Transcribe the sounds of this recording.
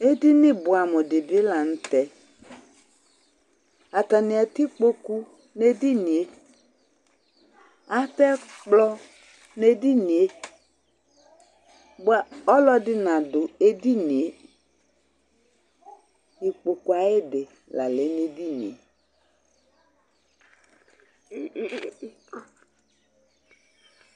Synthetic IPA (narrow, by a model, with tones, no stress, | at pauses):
e˦di˦nɪ˦bʊ˨a˨mʊ˨dɪ˨bɪ˦la˨n̩˦tɛ˨ | a˨ta˨nɪ˨a˨tɪ˦k͡po˦ku˦ | ne˦di˦ni˨e˦ | a˦tɛ˦k͡plɔ˦ | ne˦di˦ni˨e˦ | ɡ͡ba˨ɔ˦lɔ˦dɪ˦nã˨dʊ˨e˨di˦ni˨e˨ | i˨k͡po˨ku˨a˨e˦dɪ˨ | la̰˨le˨˦ne˨di˦nḭ˨ḛ˨